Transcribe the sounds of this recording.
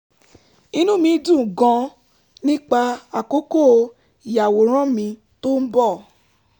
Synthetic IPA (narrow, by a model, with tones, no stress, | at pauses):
i˧˦nũ˦mĩ˧˦dũ˦˨ɡã˧ | nĩ˦k͡pa˧a˨ko˦ko˦˨˧ | i˨ja˨wo˨˦ɾ̃ã˦mĩ˧ | to˦n̩˦bɔ˦˨